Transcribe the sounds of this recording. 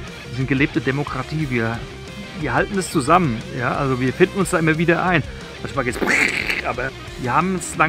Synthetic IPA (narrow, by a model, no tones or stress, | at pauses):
izɪnt̚ɡ̥əleːp̚tədemokʁ̥atʰiːviːɐ | viːɐhaltn̩ɛst͡suzamənjaːʔa̰lzoviːɐfɪndn̩ʊnsd̥aːʔɪmɐviːdɐʔaɪn | mançmaːlɡjɛt͡sbiʔaːbɐ | viːɐhaːbm̩sla